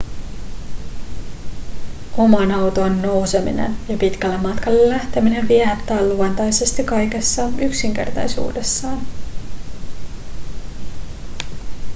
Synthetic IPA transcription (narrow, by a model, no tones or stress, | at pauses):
ʔo̞mɑnɑwt̪onːo̞wse̞mḭnḛnjɑpit̪kælːemːɑt̪kɑlːelːæht̪emine̞ʋiɛt̪ːɑːlluɑnt̪ɑjse̞st̪ikɑjk̟e̞sːɑyksiŋk̟e̞̰rt̪ɑ̰jsṵːde̞sːɑːn